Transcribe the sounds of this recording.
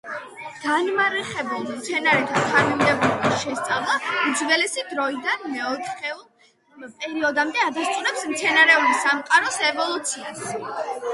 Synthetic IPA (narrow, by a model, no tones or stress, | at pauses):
ɡ̪̥anmaɾɛχɛbulˠmt̪sʰɛnaɾɛt̪ʰat̪ʰaɾmimd̪ɛbɾɛbisʃɛst̪sʼavlˠaud̪zvɛlɛsid̪ɾɔid̪anmɛɔt̪ʰχɛulˠ | pʼɛɾiɔd̪amd̪ɛad̪ast̪sʼunɛpsmt̪sʰɛnaɾɛulisamqʼaɾɔsɛvɔlˠut̪sʰias